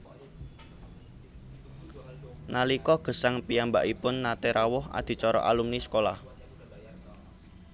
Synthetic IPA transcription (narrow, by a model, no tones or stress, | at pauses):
nʔalikɔɡ̥ə̤saŋpijamba̰ʔipʊnːat̪eɾawʊha̰d̪̥i̤t͡ʃɔɾɔ̰ʔalumniskolah